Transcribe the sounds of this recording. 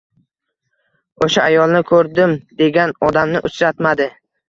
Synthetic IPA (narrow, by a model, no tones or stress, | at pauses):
oʃaajɒlˠnɪkʰɵɾd̪ɪmd̪e̞ɡʲanɒd̪amnɪʔʊt͡ʃɾat̪mad̪ɪ